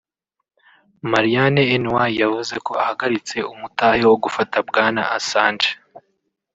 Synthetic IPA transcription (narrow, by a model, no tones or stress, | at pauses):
maɾijaneːnwajavuze̞ko̞ahaɡaɾit͡se̞umutaːhewoɡufatabɡaːna̰ʔasaːnd͡ʒe